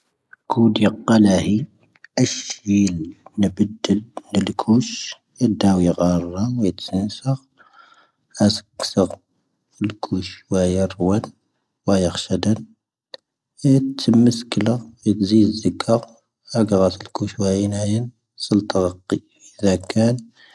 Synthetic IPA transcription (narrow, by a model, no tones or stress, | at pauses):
kʰud̪jəqːɑlæhi | ʔəʃjilnəbəd̪ːəlːəlkʰuʃ | əd̪æwiɣɑrˤːɑwjət̪sənsəɣ | hæsə̥kːsəɣ | fəlkʰuʃwæjəɾˤwən | wæjəxʃəd̪ən | t̪ʰːəmːəskələwjət̪zid̪zːəkːɑɾ | hæɡɣɑt̪əlkuʃwæjənæjən | səlt̪ˤɑɾɑqːi | ʔəðækæn